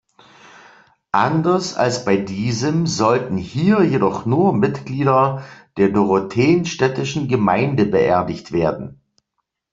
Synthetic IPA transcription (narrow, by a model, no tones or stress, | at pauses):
ʔandɐsa̰lsb̥aɪdiːzəmzɔltn̩hiːɐjedɔχnuːɐmɪtɡ̥liːdɐd̥eːɐdoʁotʰeːnʃtɛtɪʃn̩ɡəmaɪndəbəʔɛɐdɪçtv̥eːɐdn̩